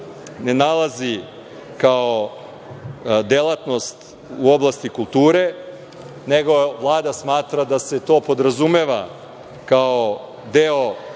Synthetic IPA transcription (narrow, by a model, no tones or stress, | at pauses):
ne̞nalˠazi | kao | d̪elˠat̪no̞st̪ | uo̞blˠast̪ikulˠt̪uːɾe̞ | neɡo̞ʋlˠaːd̪asmaːt̪ɾad̪ase̞t̪o̞ːpo̞d̪ɾazumeʋa | kao | d̪eo